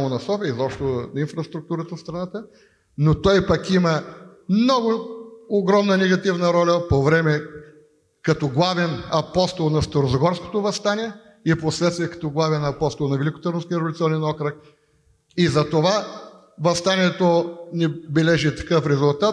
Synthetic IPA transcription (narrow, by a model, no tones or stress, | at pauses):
monɐsɔfiəizɔpʃt̪oinfɾɐst̪ɾʊk̚t̪uɾət̪əfst̪ɾɐnat̪ə | not̪ɔjpɐkiməmnɔɡʊoɡɾɔmnənɛɡɐt̪ivnəɾɔlʲɐpovɾɛmɛ | kɐt̪ɔɡlˠavɛnɐpɔst̪olˠnɐst̪oɾozɐɡɔɾsko̥t̪ovɐst̪aniɛ | iposlɛt̪st̪viɛkɐ̥t̪ɔɡlˠavɛnɐpɔst̪olˠnɐvɛlikʊ̥t̪ɐɾʊskʲːɾlʲit̪siɔnɛnɔkɾək | izɐt̪ova | vɐst̪aniɛt̪onɛbɛlɛʒit̪ɐ̥kɤfɾɛzʊlˠt̪at̪